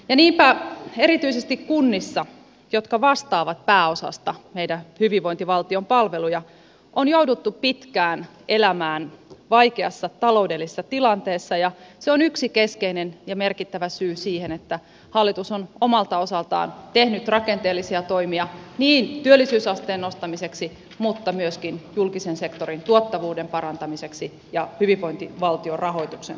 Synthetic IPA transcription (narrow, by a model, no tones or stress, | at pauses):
jɑniːmpæe̞ɾit̪yisest̪ikkunːisːɑ | jot̪kɑʋɑst̪ɑːʋɑt̪̚pæːosɑ̰st̪ɑmeidæhyʋiʋʋoint̪iʋɑlt̪iompɑlʋelujɑ | ʔonjoudut̪ːuppit̪kæːn | elæmæːnʋɑikeɑsːɑt̪ɑloudelːisesːɑt̪ilɑnt̪eːsːɑjɑseonyksikeskeinenjɑmerkit̪ːæʋæsyːsiːhenet̪ːæ | hɑlːit̪usonomɑlt̪ɑo̞sɑlt̪ɑ̰ːnt̪ehnyt̪rɑkent̪eːlːisiɑt̪o̞imiɑniːnt̪yølːisyːsɑst̪eːnːost̪ɑmiseksi | mut̪ːɑmyøskinjulkisense̞kt̪oɾint̪uot̪ːɑʋuːdempɑɾɑnt̪ɑmise̞ksi | jɑhyʋiʋo̞int̪iʋɑlt̪iorɑɦo̞jt̪uksḛn